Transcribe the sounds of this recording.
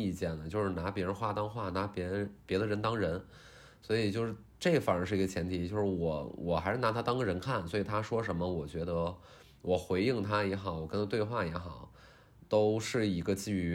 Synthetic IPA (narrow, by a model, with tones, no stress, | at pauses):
i˥˧t͡ɕjɛ˥˩nə˩t͡ɕjo˥˧ʊʂɻ̩˥˩na˧˥pjɛ˧˥ɻə˧˥nxwa˥˩t̪ɑ˥ŋxwa˥˩na˧˥pjɛ˧˥˧pjɛ˧˥d̪ə˧ɻə˧˥nt̪ɑ˥ŋɻə˧˥n | swɔ˧˥i˨˩t͡ɕjo˥˧ʊʂɻ̩˥˧˩ | ʈ͡ʂe˥˩ɡfa˥˧˩ʂɻ̩˥˩i˧˥ə˧t͡ɕʰjɛ˧˥nt̪ʰi˧˥t͡ɕjo˥˧ʊʂɻ̩˥˩wɔ˨˩wʔɔ˨˩xa˧˥ɪʂɻ̩˥˩na˧˥t̪ʰa˥t̪ɑ˥ŋɡə˧ɻə˧˥nkʰa˥˩nswɔ˧˥i˨˩t̪ʰa˥ʂwɔ˥ʂ̬ə˧˥nmə˧wɔ˨˩t͡ɕɥɛ˧˥d̪ə˧ | wɔ˨˩xwe˧˥ɪi˥˩ŋt̪ʰa˥jɛ˧˥xɑ˨˩˦ʊwɔ˨˩kə˥nt̪ʰa˥t̪we˥˧ɪxwa˥˩jɛ˧˥xɑ˨˩˦ʊ | t̪o˥ʊʂɻ̩˥˩i˧˥ɡə˧t͡ɕi˥˩˧